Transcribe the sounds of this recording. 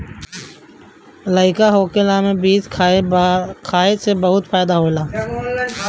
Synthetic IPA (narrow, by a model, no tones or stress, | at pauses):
ləɪkaɦoːkelamẽbiːd͡ʒkʰ | kʰaːesebɐɦʊt̪pʰaːjd̪aɦoːlaː